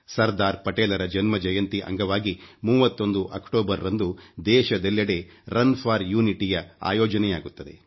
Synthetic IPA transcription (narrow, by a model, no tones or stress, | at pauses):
sɐɾd̪aːɾpɐʈeːlɐɾɐd͡ʒɐnmɐd͡ʒɐjɐnt̪iʔɐ̰ŋɡɐʋaːɡimuːʋɐt̪ːo̞nd̪uʔɐ̰kʈoːbɐɾɾɐnd̪ud̪ɛːʃɐd̪ɐlːjɐɽe̞ | ɾɐnpʰaːɾjuːniʈijɐa̰ːjɔːd͡ʒɐnɛjaːɡut̪ːɐd̪e̞̰